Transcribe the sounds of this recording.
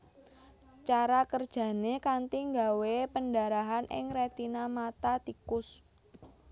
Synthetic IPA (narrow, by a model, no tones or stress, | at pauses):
t͡ʃaɾakərd̥ʒ̥a̤nekant̪iŋɡawepəndaɾaɦanɪ̰ŋɾet̪inamat̪at̪ikʊs